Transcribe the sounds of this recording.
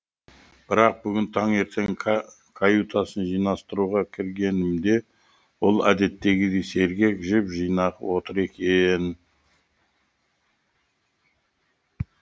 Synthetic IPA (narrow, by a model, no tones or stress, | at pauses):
b̥ɪɾɑq̚bʏɡʲɪnt̪ʰɑŋe̞ɾt̪ʰe̞ŋ | kʰajut̪ʰɑsənʒijnɑst̪əɾuʁɑkʲʰɪɾɡʲe̞nɪmd̪e̞ | wolˠæ̰d̪e̞t̪ːe̞ɡʲɪd̪ejse̞ɾɡʲe̞kʒɪpʒijnɑqwo̞t̪əɾe̞kʲe̞n